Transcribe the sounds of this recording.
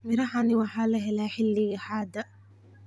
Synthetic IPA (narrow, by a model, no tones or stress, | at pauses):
mɪɾɐħanɪwɑħaːlɐɦɛlaːħɪlːɪjɐħaːd̪ɐ